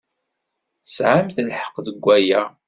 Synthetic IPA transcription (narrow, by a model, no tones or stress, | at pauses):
θə̥sʕamθəlħə̥qːðəɡʷːæjæ